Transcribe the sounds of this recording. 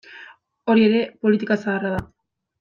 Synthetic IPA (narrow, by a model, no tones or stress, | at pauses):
o̞ɾie̞ɾe̞po̞lit̪ikasaɣaraða